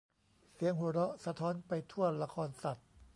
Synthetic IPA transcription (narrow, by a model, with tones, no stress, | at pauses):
si˨˩˦əŋɦu˨˩˦ɾɔ˦˥sa˧t̪ʰɔː˦˥npa˧jt̪ʰu˥˩ɐəla˧kʰɔː˧nsa˨˩t̪̚